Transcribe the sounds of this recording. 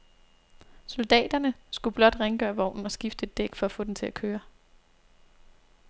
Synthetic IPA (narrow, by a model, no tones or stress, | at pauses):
sold̥ɛ̰ːd̥ɐnəsɡ̥ub̥lɒ̽d̥ʁeŋəɡ̥ɶːɐʋɒʊ̰nn̩ɒ̽sɡ̥ifd̥əe̝d̥ːeɡ̥fɒ̽æfɔ̰̽d̥emt͡sʰe̝lækʰøːɐ